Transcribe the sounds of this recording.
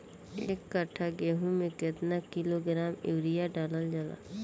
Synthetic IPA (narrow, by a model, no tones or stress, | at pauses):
ḛːkːəʈʰaɡeːɦũmẽket̪nakɪloɡɾaːmewɾijaɖaːləld͡ʒala̰